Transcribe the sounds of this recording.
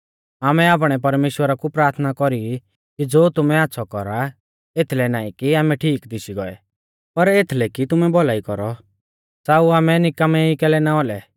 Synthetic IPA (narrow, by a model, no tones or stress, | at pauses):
aːmɛaːp̬ɽ̃ɛpɐɾmeːʃwəɾakupɾaːɾt̪ʰnakɔɾi | kid͡zoːt̪ʊmɛatːsʰɔkɔɾa | et̪ʰlɛnaːĩkiaːmɛʈʰiːkd̪ɪsiɡɔɛ̰ | pɐɾet̪ʰlɛkit̪ʊmɛbɔlaːikɔɾɔ | saːuaːmɛnɪkamɛikɛːlɛnaɔlɛ